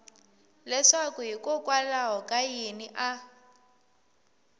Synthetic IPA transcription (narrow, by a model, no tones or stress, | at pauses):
lɛʂakuɦikɔkʼwalaɦɔkʼajeniʔa